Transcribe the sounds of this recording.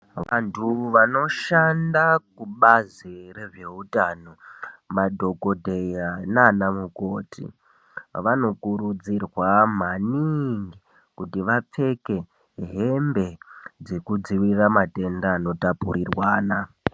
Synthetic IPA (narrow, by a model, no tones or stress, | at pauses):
ʋantʰuʋano̞ʃandakuɓazire̞ʐe̞utanomadʱo̞ko̞dʱejananamuko̞ːtḭ | ʋano̞kuɾud͡zirwam̤aniŋɡi | kutiʋap͡fe̞ke̞ | ɦe̞mbe̞d͡zekud͡ziwiramate̞ndaːno̞tapuɾirwaːna